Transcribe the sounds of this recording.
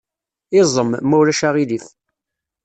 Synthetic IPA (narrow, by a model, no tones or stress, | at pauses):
ɪzˤəmmːæwɾæʃaʁiliθ